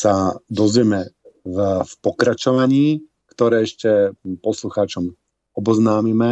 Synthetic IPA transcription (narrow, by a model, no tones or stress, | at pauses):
sad̪ɔzʋɛmɛvfpɔkɾat͡ʃɔʋaɲiː | kt̪ɔɾɛːɛʃcɛpɔsluxaːt͡ʃɔm | ɔbɔznaːmimɛ